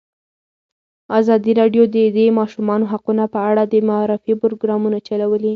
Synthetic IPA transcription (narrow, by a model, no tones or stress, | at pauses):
azɑd̪iɾɑɖjod̪əd̪emɑʃumɑnoɦaqunapəaɽad̪əmaɾɪfipʊɾoɡɾɑmunat͡ʃalawəli